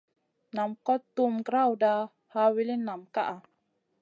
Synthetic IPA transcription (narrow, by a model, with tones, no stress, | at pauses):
na˨mkɔ˦t̪ːu˦mɡɾa˦wda˧ | ha˦wi˦li˦nːa˨mka˦ʔa˨